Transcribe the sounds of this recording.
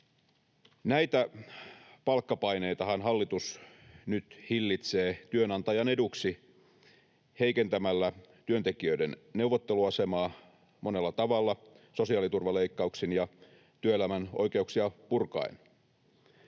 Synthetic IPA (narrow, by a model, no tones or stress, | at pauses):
næit̪æ | pɑlkːɑpɑine̞jt̪ɑhɑnɦɑlːit̪usnyt̪hilːit̪seːt̪yønɑnt̪ɑjɑne̞duksi | heikent̪æmælːæt̪yønt̪ekiøidenne̞uʋːot̪ːeluɑse̞mɑː | mo̞ne̞lːɑt̪ɑʋɑlːɑso̞siɑːlit̪urʋɑleikːɑuksinjɑ | t̪yøelæmæno̞̰jke̞uksiɑpurkɑ̰in